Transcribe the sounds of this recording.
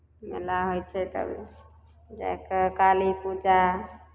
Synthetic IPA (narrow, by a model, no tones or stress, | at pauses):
mḛlaɦojt͡ʃʰɛt̪ə̰bʱḭ | d͡ʒa̰ekekalipud͡ʒa